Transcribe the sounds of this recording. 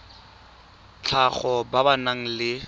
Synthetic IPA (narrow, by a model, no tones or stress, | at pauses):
t͡ɬʰaχɔbabanaŋ̩lɪ